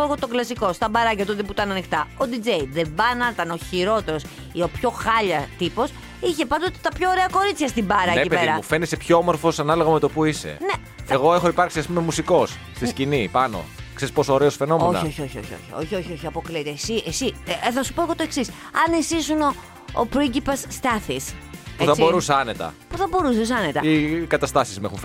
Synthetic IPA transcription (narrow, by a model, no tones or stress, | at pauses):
oeɣo̞t̪o̞klɐsiko̞st̪ɐbɐɾɐcɐt̪ot̪eput̪ɐnɐnixt̪ɐod̪id͡ze̞jðe̞bɐnɐt̪ɐnoçiɾo̞t̪e̞ɾo̞s | io̞pço̞xɐʎɐt̪ipo̞s | içe̞pɐnd̪ot̪et̪ɐpço̞ːɾe̞ɐko̞ɾit͡sçɐst̪ibɐɾɐeipeeɾɐufe̞nisepçoomo̞ɾfo̞sɐnɐlo̞ɣɐme̞t̪o̞puisḛne̞ | eɣo̞exoipɐɾksiɐspumemusiko̞s | st̪iscinipɐno̞̰kseɾispo̞sooːɾeosfe̞no̞meonɐ̰o̞çio̞çio̞̰çio̰çio̞̰çio̞çio̞çiɐpo̞kliet̪esiʔesiθɐsu̥po̞eɣo̞t̪oeksis | ɐnesisuno̞̰ː | pɾoiɲɟipɐsːt̪ɐθispuθɐsbo̞ɾuseɐne̞t̪ɐ̰puθɐbo̞ɾusis̬ɐnet̪ɐikɐt̪ɐst̪ɐsizmuḛxunf